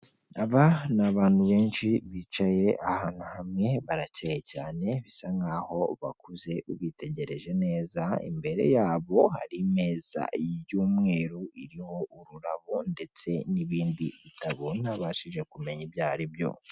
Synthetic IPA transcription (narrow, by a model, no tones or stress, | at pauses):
aβanaβaːn̥huβe̞ːnʃiβiːt͡ʃaje̞ʔahaːn̥huhamŋe̞βaɾacejecaːne̞βisaŋɡaːho̞βa̰kʰuze̞uβite̞ɟe̞ɾe̞ʒe̞ne̞ːzaḭmbe̞ɾe̞̰jaːβo̞ha̰ɾime̞ːz̥a̰jijuːmŋe̞ːɾuiɾiho̞uɾuɾaβunde̞t͡se̞niβiːndiβitaβonaβaːʃiʒe̞kume̞ɲibjaːɾibjo̞̰